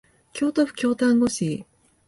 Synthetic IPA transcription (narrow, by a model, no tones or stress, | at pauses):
kʲo̞ːt̪oɸɯ̟̥kʲo̞ːt̪ãŋɡo̞ɕi